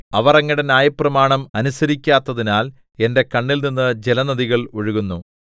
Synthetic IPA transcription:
ɐʋɐrɐŋːiɽenaːjɐprɐmaːɳɐmɐnusɐɾikʲːaːt̪ːɐðinaːl | e̞nde̞kɐɳːilninːɨd͡ʑelɐnɐðiɣɐɭoɻuɣunːu

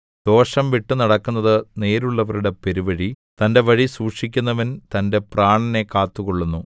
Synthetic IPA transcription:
d̪̥o̞ːʂɐmʋiʈːɨnɐɽɐkːunːɐðɨne̞ːɾuɭːɐʋɐɾuɽepe̞ɾiʋɐɻi | t̪ɐnde̞ʋɐɻisuːkʂikʲːunːɐʋɐnt̪ɐnde̞praːɳɐne̞kaːt̪ːuɣoɭːunːu

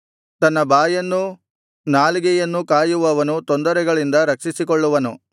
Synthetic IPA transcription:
t̪ɐnːɐbaːjɐnːu | naːliɡɛjɐnːukaːjuʋɐʋɐnut̪ond̪ɐɾɛɡɐɭind̪ɐɾɐkʂisikɔɭːuʋɐnṵ

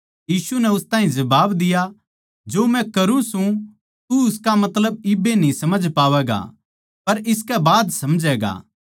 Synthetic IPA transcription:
jiːsunɛʊst̪aːɦĩd͡ʒɐbaːbd̪ɪja | d͡ʒoːmɛ̃kɐɾũsũ | t̪uʊskamɐt̪ləb̚ɪbenĩsɐməd͡ʒpaːʋɛːɡa̰ | pɐɾɪskɛbaːd̪sɐmd͡ʒɛːɡa̰ː

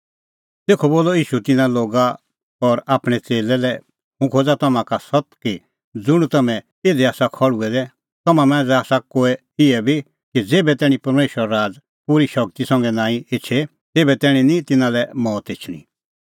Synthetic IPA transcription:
t̪eːkʰoboːlɔiːʃut̪ɪnaloːɡa | ɔɾaːpɽ̃ɛt͡seːlɛlɛ | mũkʰoːd͡zat̪ɐmãkasɔt̪ki | d͡zʊɽ̃t̪ɐmɛ̃ | eːd̪ɛaːsakʰɔɽuɛd̪ɛ | t̪ɐmãmɛ̃ːd͡zɛaːsakoːɛ | ɪɛbʱi | kid͡zeːbɛt̪ɛːɽ̃ĩpɐɾmeːʃəɾaɾaːd͡z | pʊɾiʃɐk̚t̪isɐ̃ŋɡɛnãːĩɪt͡ʃʰe | t̪eːbɛt̪ɛːɽ̃ĩnĩt̪ɪnãlɛmɔːt̪ɪt͡ʃʰɽ̃ḭ̃

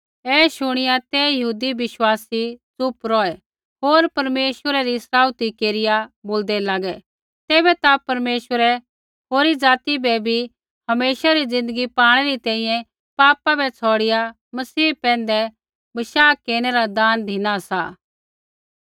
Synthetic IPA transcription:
ɛːʃʊɽ̃ɪjat̪ɛjɐɦuːd̪iʋɪʃwaːsit͡sʊpɾɔːɛ | ɦoːɾpɐɾmeːʃwəɾɛɾisɾaːut̪ikeːɾɪjaboːld̪ɛlaːɡɛ | t̪eːbɛt̪apɐɾmeːʃwəɾɛ | ɦoːɾid͡zaːt̪ibɛbʱi | hɐmeːʃaɾid͡zɪ̃nd̪əɡipaːɽ̃ɛɾit̪ɛ̃ːĩjɛ̃ | paːpabɛt͡sʰɔːɽɪja | mɐsiːpɛ̃ːnd̪ɛ | bɐʃaːkeːɽ̃ɛɾad̪aːnd̪ʱɪnasaː

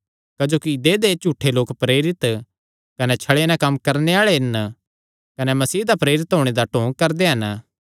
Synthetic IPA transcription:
kɐd͡ʒoːkid̪ed̪et͡ʃuːʈʰːeloːkpɾeːɾɪt̪ | kɐnɛt͡ʃʰɐɭenãkɐmːkɐɾneaːɭeɦɪn | kɐnɛmɐsiːd̪apɾeːɾɪt̪ɦoːɽ̃ed̪aʈõːŋɡ̚kɐɾd̪eɦɐn

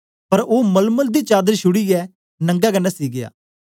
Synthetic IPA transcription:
pɐɾoːmɐlməld̪it͡ʃaːd̪əɾʃʊɽiɛː | nɐ̃ŋɡakɐnːasiːɡɪja̰ː

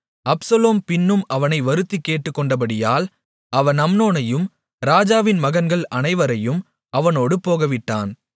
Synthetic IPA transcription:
ɐpsɐloːmpɪnːɯmɐʋɐnɐɪʋɐɾɯt̪ːikːeːʈːɯkːɔɳɖɐbɐɽɪjaːl | ɐʋɐnɐmnoːnɐjɯm | ɾaːd͡ʒaːʋɪnmɐɣɐnɡɐɭɐnɐɪʋɐɾɐjɯm | ʔɐʋɐnoːɽɯpoːɣɐʋɪʈːaːn

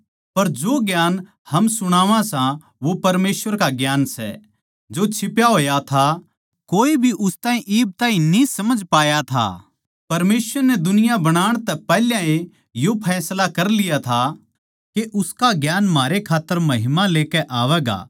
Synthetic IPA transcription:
pɐɾd͡ʒoːɡjaːn | hɐmsʊɽ̃aːʋãsã | ʋopɐɾmeːsʋəɾkaɡjaːnsɛ̰ | d͡ʒot͡ʃʰɪpjaɦoːjat̪ʰa | koːibʱiʔʊst̪aːĩʔiːb̚t̪aːɦĩnĩsɐməd͡ʒpaːjat̪ʰa̰ː | pɐɾmeːsʋəɾnɛd̪ʊnɪjabɐɽ̃aːɽ̃t̪ɛpɛːljãẽ | jopʰɛːslakɐɾlɪjat̪ʰa | keʔʊskaɡjaːnmaːɾekʰaːt̪ːəɾmɐɦɪmaleːkɛʔaːʋɛːɡa̰ː

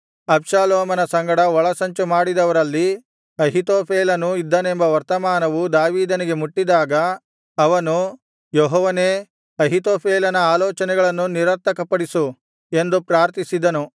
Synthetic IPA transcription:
ɐpʃaːloːmɐnɐsɐŋɡɐɽɐʋɔɭɐsɐɲt͡ʃumaːɽid̪ɐʋɐɾɐlːi | ɐɦit̪oːpʰeːlɐnuid̪ːɐne̞mbɐʋɐɾt̪ɐmaːnɐʋud̪aːʋiːd̪ɐniɡemuʈːid̪aːɡɐː | ʋɐnu | joɦɔʋɐneː | ɐɦit̪oːpʰeːlɐnɐaːlɔːt͡ʃɐnɛɡɐɭɐnːuniɾɐɾt̪ːɐkɐpɐɽisu | e̞nd̪upɾaːɾt̪isid̪ɐnu

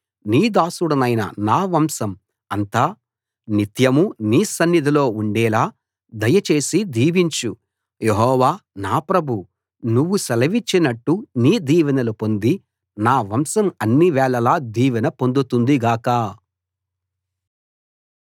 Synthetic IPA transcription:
niːd̪aːsuɽɐnɐjnɐ̰naːʋɐmsɐm | ɐnt̪aː | nit̪jɐmuniːsɐnːid̪ʱilo̞ːuɳɖɛːlaː | d̪ɐjɐt͡ʃe̞ːsid̪iːʋiɲt͡ʃu | jeɦɔːʋaːnaːpɾɐbʱu | nuʋːusɐlɐʋit͡ʃːinɐʈːuniːd̪iːʋɐnɐlupo̞nd̪i | naːʋɐmsɐmɐnːiʋɛːɭɐlaːd̪iːʋɐnɐpo̞nd̪ut̪und̪iɡaːka

